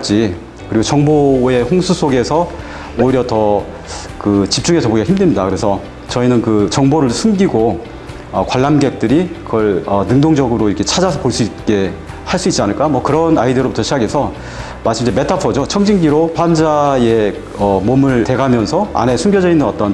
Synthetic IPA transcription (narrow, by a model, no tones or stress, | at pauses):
t͡ɕ͈i | kɯɾiɡot͡ɕʌŋboe̞hoŋsʰusʰoɡe̞sʰʌ | oiɾjʌtʌ | kɯt͡ɕip̚t͡ɕ͈uŋe̞sʰʌboɡiɡaçʰimdɯɭmɲidakɯɾe̞sʰʌ | t͡ɕʌinɯnkɯt͡ɕʌŋboɾɯɭsʰumɡiɡo | ʌkwaɭːamɡe̞k̚t͈ɯɾikɯɡʌɭʌnɯŋdoŋd͡ʑʌɡɯɾoiɾkʰe̞t͡ɕʰad͡ʑasʰʌpoɭs͈uit̚k͈e̞ | haɭs͈uit̚t͡ɕ͈ianɯɭk͈amwʌkɯɾʌnaideɾobutʰʌɕʰiɡaɡe̞sʰʌ | maɭs͈ɯmid͡ʑeme̞tʰapʰʌd͡ʑot͡ɕʰʌŋd͡ʑiŋɡiɾoɸwand͡ʑae | ʌmomɯɭte̞ɡamjʌnsʰʌa̰ne̞sʰumɡjʌd͡ʑʌinːɯnʌt͈ʌn